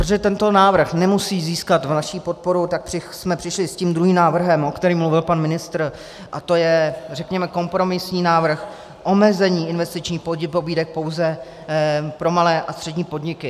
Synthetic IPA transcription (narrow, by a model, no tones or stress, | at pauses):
pɾot̪oʒɛt̪ɛnt̪o̞naːvr̩xnɛmusiːziːskat̪vnaʃiːpo̞t̪̚po̞ɾut̪ak̚pr̥ɪsmɛpr̝̥ɪʃlɪsciːmd̪ɾuɦiːmnaːvr̩ɦɛmʔo̞kt̪ɛɾiːmluvɪlpanmɪnɪst̪ɾ̩ | ʔat̪o̞jɛrɛkɲɛmɛko̞mpɾo̞mɪsɲiːnaːvr̩x | ʔo̞mɛzɛɲiːɪnvɛst̪ɪt͡ʃɲiːxpoɟɪpo̞biːdɛk̚po̞wzɛ | pɾo̞malɛːʔast̪r̥ɛdɲiːpo̞dɲɪkɪ